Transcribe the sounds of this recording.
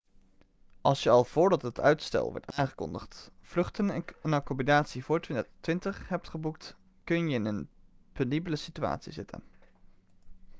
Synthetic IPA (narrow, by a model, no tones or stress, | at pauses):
ʔɑlˠsjəɑlˠv̥ʊːɹdɑtɦətʰœ̰ɥtstɛ̰lˠʋɔ̰ɹtaːŋχəkɔ̰ndə̰χtv̥lɵχtənnakɔmbinaːtsivʊːɹttʋɪntəχɦɛp̚tχəbuk̚t | kɵnjəɪnənpʏndibələsitya̰ːtsḭzɪtʰə̰n